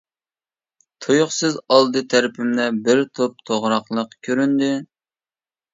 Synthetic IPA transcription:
t̪ʰojʊχsɨzɑlˠd̪ɨt̪ʰæɾɪpʰɪmnɛbɪɾt̪ʰop̚t̪ʰoʁɾɑχlˠəqkʲʰøɾynd̪ɪ

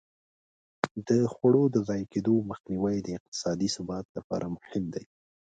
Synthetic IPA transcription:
d̪əxwaɽod̪əzɑjked̪oməxniwajd̪əɪq̚t̪ɪ̥sɑd̪isʊbɑt̪lapɑ̰ɾʔamʊhɪmd̪aj

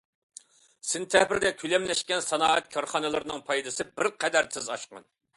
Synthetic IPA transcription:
sɪnt̪ʰɛhbɪɾd̪ɛkʲʰylɛmlɛʃkʲɛnsɑnɑːɛt̪̚kʲʰɑɾχɑnɨlˠɨɾɨnɨŋpʰɑjd̪ɨsɨbɪɾqʰɛd̪æɾsʰɪzɑʃqɑ̰n

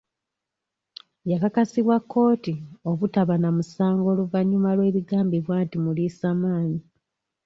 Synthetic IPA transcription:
jakakasiβwakːo̞ːtio̞βutaβanamusaːŋɡo̞ːluvaɲːumalwe̞ːβiɡaːmbiβwaːntimuliːsaːmaːɲi

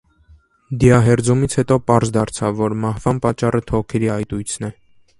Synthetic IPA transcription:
d̪iɑɦɛɾd͡zumit͡sʰhɛt̪ɔpɑɾzd̪ɑɾt͡sʰɑvːɔɾmɑhvɑnpɑt͡ʃːɑrət̪ʰɔʁkʰɛɾiɑjt̪ujt͡sʰnɛ

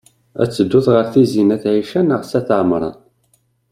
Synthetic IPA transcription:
æ̰t͡sːəd̪ːʊðʁəfθizinæθʕiʃænəʁsæθʕmɾˤɑ̰n

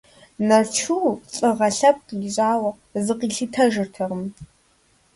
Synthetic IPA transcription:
nɐrt͡ʃʰuːt͡sʼɨʁɐɬɐp̚qʼjɪʑʼaːwɐ | zɨqiːɬɨtʰɐʒɨrtʰɐʁəm

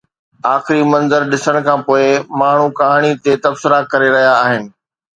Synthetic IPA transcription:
aːxɪɾimɐ̃nzəɾɗɪsəɽ̃kʰãːpoːɪmaːɳ̤ukaɦaɽ̃it̪et̪ɐbsɪɾakɐɾeɾɐɦijaːɦɪnɪ̆

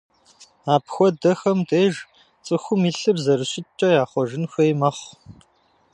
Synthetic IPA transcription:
aːpxʷɔdɐxɐmtʰʼeːʒ | t͡sʼɨxʷʊmiːɬɨbzɐɾɨɕʼɪt͡ʃʼɐjaːχʷɔʒɪnxʷeːjmɐχʷ

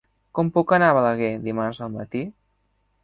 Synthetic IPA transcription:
kɔmpukənaβələɣ̞ed̪imaɾzəlˠmət̪i

